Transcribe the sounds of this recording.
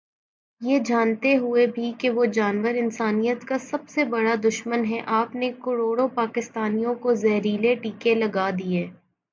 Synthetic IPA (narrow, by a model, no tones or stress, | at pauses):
jed͡ʒaːnt̪eɦʊebʱikeʋod͡ʒaːnʋəɾɪnsaːnijət̪kasɐbsebɐɽad̪ʊʃmənɦɛʔaːpnekɐɽoːɽopaːkɪst̪aːnijõkozɛɦɾiːleʈiːkelɐɡaːd̪ieː